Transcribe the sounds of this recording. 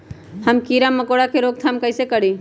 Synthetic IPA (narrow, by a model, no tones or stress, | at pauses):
həmkiɾamːəkoːɽakʰeɾoɡt̪ʰamkəɪsekəɽi